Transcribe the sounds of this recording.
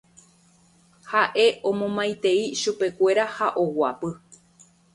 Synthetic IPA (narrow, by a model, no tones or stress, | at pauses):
haʔe̞ʔõ̞mõmãj̃t̪e̞iʃupe̞kʷe̞ɾahaʔo̞wapɨ